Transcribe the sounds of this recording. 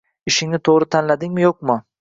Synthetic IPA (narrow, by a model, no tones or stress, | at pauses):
ɪʃɪŋnɪt̪ʰoʁɾɪt̪ʰanlad̪ɪŋmɪjoq̚mʊ